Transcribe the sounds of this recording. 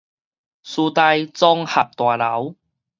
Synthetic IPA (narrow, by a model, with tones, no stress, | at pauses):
suː˧t̪a˧jt͡sɔ˥ŋhɐ˨˩p̚t̪waː˨˩lɐ˨˥w